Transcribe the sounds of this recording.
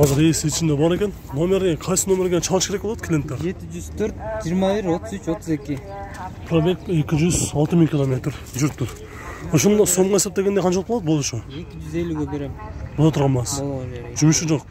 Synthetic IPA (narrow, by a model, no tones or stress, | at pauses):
qʰɑzɪɾeseɪt͡ʃʰɪnd̪ebɑɾe̞kʲe̞nːo̞mʲe̞ɾɡʲeqʰɑjsəno̞meɾɡʲeʃʰɑlˠəʃkʲʰeɾekbolˠɑd̪əkʰlent̪ːeɾe̞t̪ɪʒʏz̥t̪ʰøɾt̪̚ʒijːɾmɑbɪɾwot̪əzyt͡ʃwot̪əze̞kʲɪ | pʰɾobeke̞kʲɪʒʏzɑlˠt̪əmiŋkʰʲilˠomʲe̞t̪ɾʒʏɾp̚t̪ʰʊɾ | oʃond̪ɑso̞ɴʁɑje̞sep̚d̪e̞ɡʲed̪ejqʰɑnt͡ʃʰɑlˠq̚blˠɑd̪bod̪əʃəekʲɪʒyzelʲuɡʲebeɾembolˠɑt̪ʰʊɾʁɑnmɑsʒ̥ʏmɪʃɪʒo̞q